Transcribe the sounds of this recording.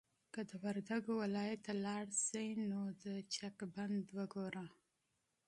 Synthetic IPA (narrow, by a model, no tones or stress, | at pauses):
kəd̪əwaɾd̪aɡowɪlɑjat̪ːalɑɽsəjnod̪ət͡ʃakband̪wəɡoɾa